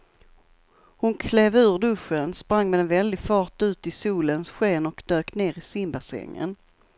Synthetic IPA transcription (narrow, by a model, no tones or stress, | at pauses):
hʊnkʰleːvʉ̟ːɾɖ̪ɵʂːənspɾaŋːmɛd̪ɛnvɛld̪ɪɡfɑːʈʉ̟ːt̪ɪsuːlənsɧeːnɔkd̪øːkneːɾɪsɪmbasɛ̰ŋːə̰n